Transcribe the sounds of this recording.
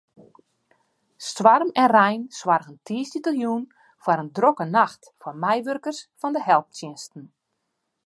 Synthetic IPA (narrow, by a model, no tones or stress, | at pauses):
stʋarmɛnrɛjnswarɣəntʰiːəstitəljun | fwaɾəndrokənaxtfɔrmɛjʋørkərsfɔndəhɛlˠp̚tjɪnstn̩